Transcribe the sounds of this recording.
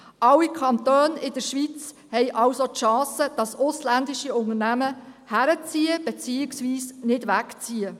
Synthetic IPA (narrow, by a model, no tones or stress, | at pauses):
ʔɑwikʰɑnt̪øːnɪd̥əʃʋit͡s | hɛjʔɑwsotʃɑ̃ːsəd̥ɑsʊslændɪʃiʊŋəɾnæməhæɾət͡siːəb̥ɛt͡siːɪksʋiːsnɪdʋækt͡siə